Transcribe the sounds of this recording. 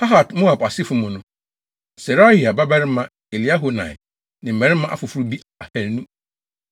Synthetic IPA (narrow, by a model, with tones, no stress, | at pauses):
ha˦ɦa˨dmo˦a˨ba˨sɪ˦fʊ˨mʊ̃˨nʊ̃˦ | sɛ˨ɾa˦hi˨a˨ba˦bɛ˦ɾɪ˦mã˦ | e˨li˨˦a˦ɦo˨nã̰˨ɪ˨ | nɪ̃˨m̩˨mɛ̃˨ɾɪ˦mã˦ʔa̰˦fʊ˨fu˦ɾu˦bi˦ | a˨hɛ˨ɾnũ˦